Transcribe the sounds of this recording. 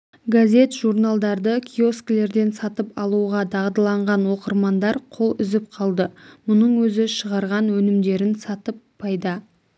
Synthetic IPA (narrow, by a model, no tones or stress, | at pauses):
ɡazʲe̞t̪ʒ̥uɾnalˠd̪ɑɾd̪əkʲʰio̞sklʲe̞ɾd̪e̞nsɑt̪əpɑlˠuʁɑd̪ɑʁd̪əlˠɑɴʁɑnwo̞qəɾmɑnd̪ɑɾqʰo̞lˠʏzɪp̚qʰɑlˠd̪əmʊnəɴwɵzɪʃəʁɑɾʁɑnwɵnɪmd̪e̞ɾɪnsɑt̪əpʰːɑjd̪ɑ